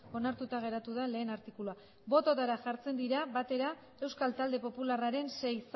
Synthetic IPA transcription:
o̞naɾt̪ut̪aɣ̞e̞ɾat̪uð̞ale̞ːnaɾt̪ikulua | bo̞t̪ot̪aɾaʝaɾt͡se̞nd̪iɾaβat̪e̞ɾa | e̞wskalt̪ald̪e̞po̞pularaɾe̞nse̞js

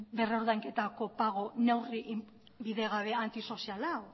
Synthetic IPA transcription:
be̞ro̞ɾðajŋke̞t̪ako̞paɣ̞o̞ne̞wriʔ | βiðe̞ɣ̞aβ̞e̞ant̪iso̞sialaw

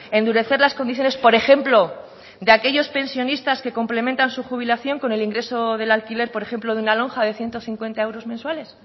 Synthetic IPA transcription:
e̞nd̪uɾe̞θe̞ɾlasko̞nd̪iθjone̞spo̞ɾe̞xe̞mplo̞ | d̪eake̞ʝo̞spe̞nsjo̞nist̪aske̞ko̞mple̞mẽnt̪ansuxuβ̞ilaθjo̞ŋko̞ne̞liŋɡɾe̞so̞ðe̞lalkile̞ɾpoɾe̞xe̞mplo̞ðunalo̞ŋxaðe̞θje̞nt̪o̞θiŋkwe̞nt̪ae̞wɾo̞zmẽnswale̞s

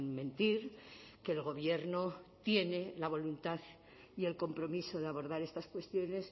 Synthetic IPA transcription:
nmẽ̞nt̪iɾke̞ːlɣ̞o̞βje̞ɾnot̪je̞ne̞laβo̞lunt̪aθ | ie̞lko̞mpɾo̞miso̞ðeaβo̞ɾðaɾe̞st̪askwe̞st̪jo̞ne̞s

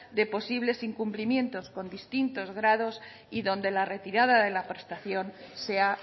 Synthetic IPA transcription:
d̪e̞po̞siβle̞siŋkumplimjẽ̞nt̪o̞sko̞nd̪ist̪int̪o̞zɣ̞ɾað̞o̞s | iðõ̞nd̪e̞lare̞t̪iɾaðaðe̞lapɾest̪aθjo̞nse̞a

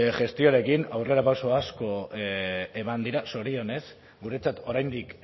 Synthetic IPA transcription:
ʝe̞st̪ioaɾe̞kinawre̞ɾapaso̞asko̞ | e̞mand̪iɾaso̞ɾio̞ne̞s | ɡuɾe̞t͡sat̪o̞ɾajnd̪ik

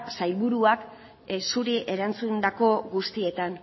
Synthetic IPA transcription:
sajlβuɾuak | suɾiʔe̞ɾant͡sund̪ako̞ɡust̪ie̞t̪an

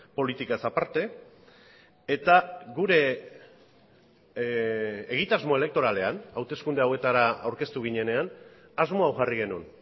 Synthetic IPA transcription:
po̞lit̪ikasapaɾt̪e̞ | et̪aɣuɾe̞ | ɣ̞it̪azmo̞e̞le̞k̚t̪o̞ɾale̞anawt̪e̞skund̪e̞awe̞t̪aɾaa̰wɾke̞st̪uɣ̞iɲe̞ne̞an | azmo̞awʝariɣe̞nun

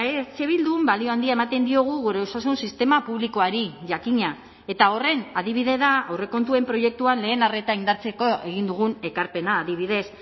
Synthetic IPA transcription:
ese̞βild̪umbalioand̪iaemat̪e̞nd̪io̞ɣ̞uɣoɾeosasunsist̪e̞mapuβliko̞aɾiʝakiɲa | e̞t̪ao̞re̞naðiβ̞iðe̞ðaore̞ko̞nt̪ue̞mpɾo̞je̞k̚t̪uanle̞ːnare̞t̪aind̪aɾt͡se̞ko̞e̞ɣ̞ind̪uɣ̞une̞kaɾpe̞naːðiβ̞iðe̞s

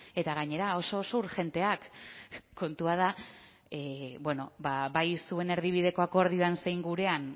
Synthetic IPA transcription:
e̞t̪aɣ̞aɲe̞ɾao̞so̞ːsouɾʝe̞nt̪e̞akʰː | o̞nt̪uað̞a | bwe̞no̞baβajsue̞ne̞ɾð̞iβ̞ið̞e̞ko̞ako̞ɾð̞io̞ansejŋɡuɾe̞an

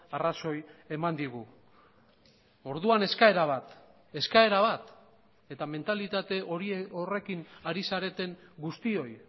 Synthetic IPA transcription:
araso̞je̞mand̪iɣ̞u | o̞ɾðuane̞skae̞ɾaβ̞at̪ | e̞skae̞ɾaβat̪ | e̞t̪ame̞nt̪alit̪at̪e̞ʔo̞ɾieore̞kinaɾisaɾe̞t̪e̞ŋɡust̪io̞j

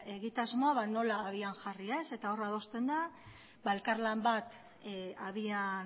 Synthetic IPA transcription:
e̞ɣit̪azmo̞aβano̞laːβiaŋʝariese̞t̪ao̞rað̞o̞st̪e̞nd̪a | bae̞lkaɾlambat̪ | aβian

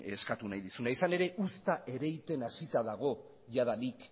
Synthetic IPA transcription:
eskat̪unajðisunaisane̞ɾe̞ʔust̪aʔe̞ɾe̞jt̪e̞nasit̪aðaɣ̞o̞ | ʝaðalik

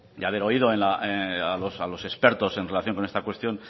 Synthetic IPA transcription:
d̪aβ̞e̞ɾo̞iðo̞enlaʔealo̞salo̞sespe̞ɾt̪o̞se̞nre̞laθjo̞ŋko̞ne̞st̪akwe̞st̪jo̞n

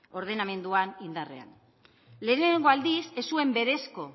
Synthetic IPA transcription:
o̞ɾðe̞name̞nd̪uanind̪are̞̰a̰n | le̞ːneŋɡo̞ald̪ise̞sue̞mbe̞ɾe̞sko̞

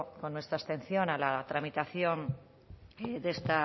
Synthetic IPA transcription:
ko̞nːwest̪ɾast̪ẽ̞n̟θjo̞nalat̪ɾamit̪aθjo̞n | d̪est̪a

